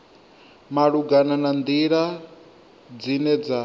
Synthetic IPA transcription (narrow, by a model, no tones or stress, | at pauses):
maɺuɡananand̪iɺa | d͡zinɛd͡za